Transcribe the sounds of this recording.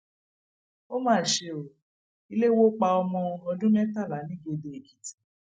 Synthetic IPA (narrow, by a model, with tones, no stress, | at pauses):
o˦mãː˦˨ʃe˧o˨ | i˧le˦wo˦k͡pa˧ɔ˧mɔ̃˧ɔ˧dũ˦mɛ̃˦ta˦˨la˨˦nĩ˦ɡ͡bo˧de˧e˨ki˨˦ti̥˨˦